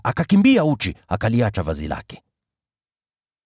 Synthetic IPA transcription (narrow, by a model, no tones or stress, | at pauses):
akakimbiaut͡ʃiakaliat͡ʃavazḭla̰kɛ̥